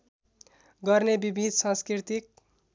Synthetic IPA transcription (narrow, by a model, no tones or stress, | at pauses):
ɡʌɾnebibid̪ʱsãnskɾit̪ik̚